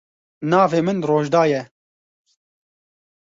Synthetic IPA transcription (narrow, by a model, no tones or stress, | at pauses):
nɑːveːmɨnroːʒd̪ɑːjɛ